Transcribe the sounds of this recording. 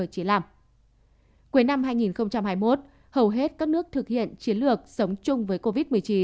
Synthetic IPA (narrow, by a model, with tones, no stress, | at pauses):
ə˧˩t͡ɕi˨˦laː˧˩m | ku˨˦jna˧mɦaː˧jŋi˨˩nxə˧wŋ͡mt͡ɕa˧mhaː˧jmo˦˥t̚ | hə˨˩wɦe˦˥t̚kaː˦˥k̚nɨ˦˥ək̚t̪ʰɨ˨˩k̚hḭ˧˨ənt͡ɕi˨˦ənlɨ˨˩ək̚sə˨˦wŋ͡mt͡ɕʊ˧ŋ͡mvəː˨˦jko˧vi˦˥t̚mɨ˨˩əjt͡ɕi˨˦